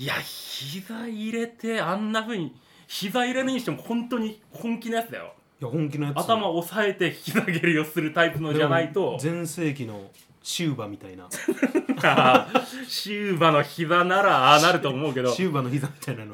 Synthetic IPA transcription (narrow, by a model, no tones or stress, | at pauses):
ijaçizaiɾe̞t̪e̞ãnːaɸɯ̟ːɲ̟i | çizaiɾe̞nɯɲiɕi̥t̪e̞mohõ̞nt̪o̞ɲ̟ihõ̞ŋkʲinojat͡sɨd̪a̰jo̰ | jahõŋk̬ʲinojaat̪amaosae̞t̪e̞ç̥ʲkʲizaɡe̞ɾɯ̟jo̞sɨɾɯ̟t̪aipɯ̟no̞dd͡ʑanait̪o̞zẽ̞ɰ̃se̞ːk̬ʲino̰ | ɕɨːbamʲit̪aina̰ | a | ɕɨːbano̞çizanaɾanaɾɯ̟t̪o̞ːmo̞ɯ̟ke̞d̪o̞ɕɯːbanoçizamʲi̥t̪ainano